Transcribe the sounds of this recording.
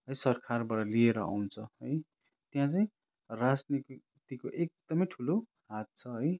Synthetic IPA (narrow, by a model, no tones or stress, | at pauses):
ɦʌjsʌrkʰarbaʈʌlieɾʌa̰wnt͡sʰʌɦʌj | t̪jãt͡saĩ | rad͡zni | t̪ikoʔek̚d̪̥ʌmʌjʈʰulo | ɦat̪̚t͡sʰʌɦʌj